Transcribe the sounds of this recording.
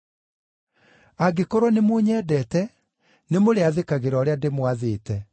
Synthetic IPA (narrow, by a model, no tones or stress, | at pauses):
aɡekoɾɔnemoɲɛːdɛːtɛ | nemoɾeaðekaɣeɾɔːɾeademwaðeːtɛ